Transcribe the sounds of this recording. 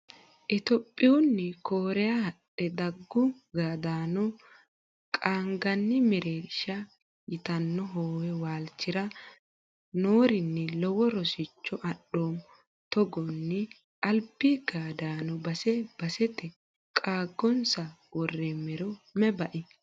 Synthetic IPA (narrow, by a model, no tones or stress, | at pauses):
ʔɪt̪ɔpʼːɪjʊnːɪkoːɾɛjahɐʔɛd̪ɐɡːʊɡaːd̪aːnɔ | kʼaːŋɡɐnːɪmɛɾeːʃɐ | jɪt̪ɐnːɔɦoːwɛwaːlt͡ʃːɪɾɐ | noːɾɪnːɛlɔwɔɾɔsɪt͡ʃːɔʔɐɗːoːm | t̪ɔɡɔnːɛ | ʔɐlpːiɡaːd̪aːnɔbɐsɛb̥ɐsɛt̪ɛ | kʼaːɡːɔnsɐ | wɔrːɛmɛɾɔmɛbɐʔɪ